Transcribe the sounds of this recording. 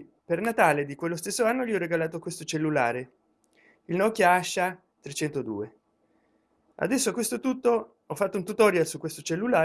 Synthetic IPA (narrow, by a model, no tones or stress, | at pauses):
pernat̪aːled̪ikwelːost̪esːoanːoliɔrːeɡalaːt̪okwest̪ot͡ʃelːulaːɾe | ilnɔkjaaʃːa | t̪ɾet͡ʃːɛnt̪od̪ṵːe | a̰d̪ɛsːoakːwest̪ot̪ut̪ːo | ɔfːat̪ːount̪ut̪ɔːɾjalsukːwest̪ot͡ʃelːulaː